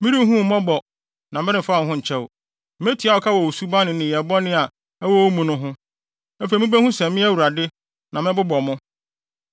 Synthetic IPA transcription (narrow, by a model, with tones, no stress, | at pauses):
mɪ̃˦ɾi˦ɦũ˦m̩˨mɔ̃˦bɔ˨ | nã˨mɪ̃˦ɾɪ̃˨fa˦˨hʊ̃˦ɲ̩˨t͡ɕʰɛ˦wʊ̰˨ | m˦e˦tʰi˨˦a˨˦wɔ˨kʰa˦wɔ˨wo˨su˦ba˦nɪ̃˨nɪ̃˨jɛ˨bɔ˦nɪ̃˦a˨ | ɛ˦wɔ˦o˦mũ˨nʊ̃˦ɦʊ̃˦ | æ˦fe˨mɪ̃˦bæ˦hũ˦sɛ˨mɪ̃˦æ˦wu˨ɾa˨dɪ˦ | nã˨mɪ̃˦bʊ˦bɔ˨mʊ̃˦